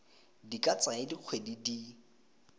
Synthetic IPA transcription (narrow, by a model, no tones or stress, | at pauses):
dikʼat͡sʼaɪdiq͡χʰwedidi